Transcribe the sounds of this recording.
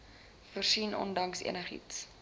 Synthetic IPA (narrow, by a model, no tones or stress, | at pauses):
fərsinɔ̰ndɐŋsḭənəχḭts